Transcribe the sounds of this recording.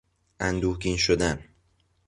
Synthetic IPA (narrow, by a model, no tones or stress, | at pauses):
ʔænd̪uːɡiːnʃod̪æn